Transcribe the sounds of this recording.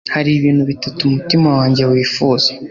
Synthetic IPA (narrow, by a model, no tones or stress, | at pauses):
haɾiβiːn̤̥huβitatumutimawaːɲɟe̞wiːfuːze